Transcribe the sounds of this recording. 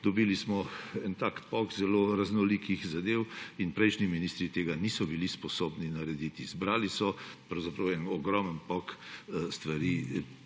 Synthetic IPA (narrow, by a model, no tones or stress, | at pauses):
d̪ɔbiːlismɔɛnt̪ak̪pɔkzɛloɾaznɔlikixzad̪ewinpɾɛjʃniminiːst̪ɾit̪eːɡanisɔbilispɔsoːbninaɾɛd̪iːt̪izbɾaːlisɔpɾɐwzapɾɐwɛnɔɡɾɔmənpɔkst̪ʋaɾiː